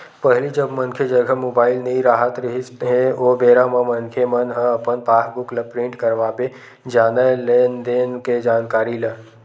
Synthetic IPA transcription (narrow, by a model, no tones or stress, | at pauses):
pəɦɪlid͡ʒəbmənkʰed͡ʒəɡʱəmoːbaːɪlnəĩɾaːɦət̪ɾəɦisɦẽoːbeːɾãmãmənkʰemənɦə̃ɐpənpaːɦbʊkləpɾɪ̃ɳʈkəɾʋaːbe | d͡ʒaːnaleːnd̪eːnked͡ʒaːnkaːɾilə